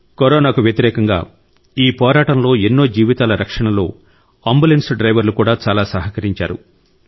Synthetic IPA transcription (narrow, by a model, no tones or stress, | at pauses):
koɾɔːnaːkuʋjɐt̪iɾɛːkɐŋɡa̰ː | iːpɔːɾaːʈɐnlo̞ːenːo̞ːd͡ʒiːʋit̪aːlɐɾɐkʂɐɳɐlo̰ː | ɐmbulensɖɾɐjʋɐɾlukuːɽaːt͡ʃaːlaːsɐɦɐkɐɾiɲt͡ʃa̰ːɾṵ